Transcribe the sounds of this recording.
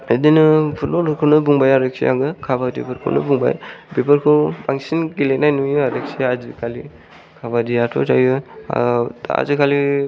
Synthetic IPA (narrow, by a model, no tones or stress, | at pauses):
edinɯpʰut̚bɔlhɔkʰɯnɯbuŋbajaɾek̚sḭjʔa̰ɡɯkʰabadipɯɾkʰɔ̰wnɯ̰buŋba̰jbipʰɯɾkʰɯbaŋsinɡilenajnujaɾek̚siazikʰali | kʰabadijatʰɔ̰tajɯ | a̰zikʰali